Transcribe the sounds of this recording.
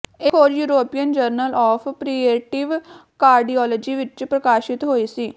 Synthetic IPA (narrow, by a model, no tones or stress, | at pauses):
ɪɦoːɾjuːɾoːpijənd͡ʒəɾnəlɔːpʰpɾiːeːʈɪʋkaːɾɖiːɔːlɔːd͡ʒiːʋɪt͡ʃpɾəkaːʃɪt̪ɦoːiːsiː